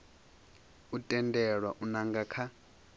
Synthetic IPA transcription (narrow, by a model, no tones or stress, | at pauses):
utʼɛndʱɛɺwaʔunaŋɡakʰa